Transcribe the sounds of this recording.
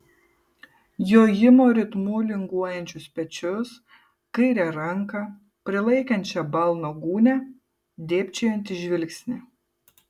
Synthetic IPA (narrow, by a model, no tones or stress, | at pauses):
joːjɪmoːɾʲɪt̪muːlʲɪŋɡuɔjɛnʲt͡ʃʲʊspʲɛt͡ʃʲʊs | kɐɪɾʲɛɾɐŋkɐ | pʲɾʲɪlˠɐɪkɐnʲt͡ʃʲɛbɐlˠnoːɡuːnʲɛ | d̪ʲeːpʲt͡ʃʲɛjɛnʲt̪ʲɪʒʲʋʲɪlʲksʲnʲɪ